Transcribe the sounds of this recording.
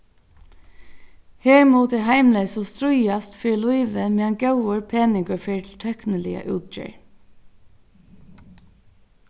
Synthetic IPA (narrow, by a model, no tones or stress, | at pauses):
heːɹmuːt̪ɛɦaɪmleɪsɔst̪ɾʊjast̪fiːluɪʋəmeːanɡœʊəɹpʰeːnɪŋkəɹfeːɹt̪ʰɪlt̪ʰœknəlɪə̰ʔʉ̰ːt̪̚d͡ʒə̰ɹ